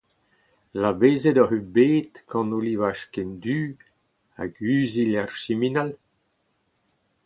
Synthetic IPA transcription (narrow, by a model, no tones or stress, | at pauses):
labeːzedɔɦybeːt̪kʰɑ̃nolivaʃkɛnd̪yː | a̰ɡyːzilarʃiminal